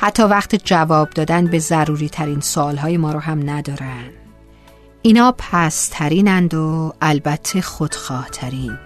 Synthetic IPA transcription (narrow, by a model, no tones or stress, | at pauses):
hæt̪ʰːɒːvæxt̪ʰid͡ʒævɒːb̚d̪ɒːd̪ænbe̞zæɾuːɾiːt̪ʰæɾiːnsoɒːlɦɒːjemɒːɾoɦæmnæd̪ɒːɾænd̪̥ | ʔiːnhɒːpʰæst̪ʰæɾiːnænd̪oælbæt̪ʰːe̞xod̪̥xɒːht̪ʰæɾiːn